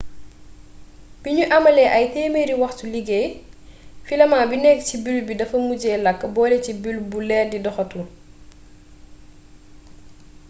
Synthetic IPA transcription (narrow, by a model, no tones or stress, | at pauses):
b̥iɲuʔɐmɐlɛʔɐjtɛːmeɾiwɐxtuliɡɛj | filɐmaːbinɛkːcibilbidɐfɐmuɟɛːlɐkːbɔːlɛcibilbulɛːrdidɔxɐtu